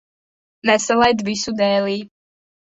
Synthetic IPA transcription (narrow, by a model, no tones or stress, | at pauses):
nɛsɛlˠajd̪visud̪ɛːliː